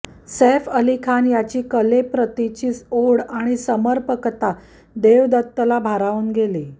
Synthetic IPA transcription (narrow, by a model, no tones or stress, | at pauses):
sefəlikʰanjat͡ɕiːkəlepɾət̪it͡ɕiːsoɽaɽ̃isəməɾpəkət̪a | d̪eʋd̪ət̪ːəlabʱaɾauːnɡeli